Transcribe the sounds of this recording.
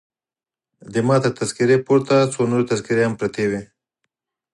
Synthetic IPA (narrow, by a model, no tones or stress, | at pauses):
d̪əmɑt̪əɾt̪azkɪɾepoɾt̪at͡sonoɾet̪azkɪɾehampɾat̪ewe